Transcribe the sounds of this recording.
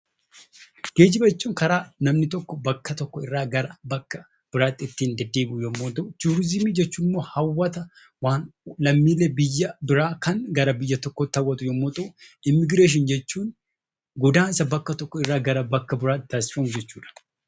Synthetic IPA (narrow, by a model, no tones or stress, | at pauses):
ɡ̥e̞ːd͡ʒɪbɐɛt͡ʃːuːŋkɐɾaːnɐmnɪt̪ɔkːɔbɐkːɐt̪ɔkːɔɪrːaːɡɐɾɐbɐkːɐ | b̥ɪɾaːt̪ːɪt̪ːiːnd̪ɛd̪ːeːmʊjomːoːt̪ʼɐt͡ʃuːɾɪzɪmiːd͡ʒɛt͡ʃːuːnmːo̞ːhɐwːɐt̪ɐ | waːnlɐmːiːleːbɪjːɐbɪɾaːkɐŋɡɐɾɐbɪjːɐt̪ɔkːɔt̪ːɐwːɐt̪ʊjomːoːt̪ʼɐɪmːɪɡɾeːʃ̬ɪnd͡ʒɛt͡ʃːuːn | ɡɔd̪aːnsɐbɐkːɐt̪ɔkːɔɪrːaːɡɐɾɐbɐkːɐbɪɾaːt̪ɪt̪ʰaːsɪ̥fɐmʊd͡ʒɛt͡ʃːuːᶑɐ̥